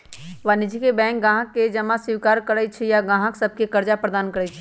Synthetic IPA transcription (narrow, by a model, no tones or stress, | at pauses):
ʋanid͡ʒʱikebɛ̃ːŋk̚ɡãːɦəkːed͡ʒəmasɪʋkaːɾkəɾət͡ʃʰɛjaɡãːɦəksəb̚ʱkekəɾd͡ʒapɾəd̪aːnkəɾɛt͡ʃʰɛ̥